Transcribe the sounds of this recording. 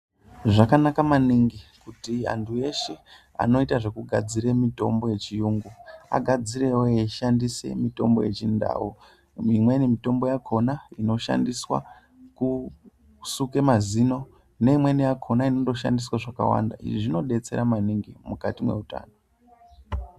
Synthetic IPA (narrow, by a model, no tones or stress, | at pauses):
ʐakanakamaniŋɡikutia̰ntʰue̞ʃe | a̰no̞itaʐe̞kuɡʱad͡ziɾemito̞̰mbo̞je̞t͡ʃijuːŋɡua̰ɡʱad͡ziɾewoeiʃandise̞̰mito̞mbo̞̰je̞t͡ʃinda̰ːu | imwe̞nimito̞mbo̞jakʰo̞naino̞ʃa̰ndiswa̰ | ku | suke̞mazino̞ | ne̞imwe̞nijakʰo̞nainodo̞ʃa̰ndiswaʐaka̰wa̰ndaḭʐiʐino̞ɗe̞t͡se̞̰ɾamaniŋɡimukatimwe̞̰uta̰ːno